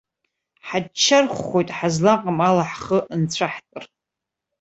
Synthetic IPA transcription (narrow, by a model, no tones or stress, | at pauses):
ħadt͡ʃʰːarχʷːo̞jtʼħazlaqʼamalaħχəʔnt͡sʷʰaħt͡sʼɨr